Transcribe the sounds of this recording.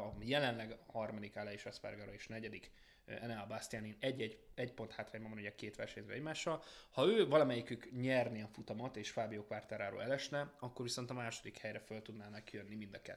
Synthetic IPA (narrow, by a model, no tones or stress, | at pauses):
ɒjɛlɛnlɛɡhɒrmɒd̪ikalɛiːʃɛspɛ̰rɡaɾoeːʃnɛɟɛd̪ik | ɛnɛlbast̪ijaːninɛɟːɛɛɟpo̞nhaːt̪raːɲbɒmvɒnuɟɛkeːt̪ʋɛrʃɛɲø̰ɛɟmaːʃːɒlhɒøːvɒlɒmɛjikykɲɛrniɛfut̪ɒmɒt̪eːʃfaːbioːkʋaːrt̪aːɾaːɾo̰ːlɛlɛʃnɛɒkːo̞rʋiso̞nt̪ɒmaːʃo̞d̪ikhɛjɾɛfølt̪ud̪naːnɒkːijønːimind̪ɒkɛ̰t̪ː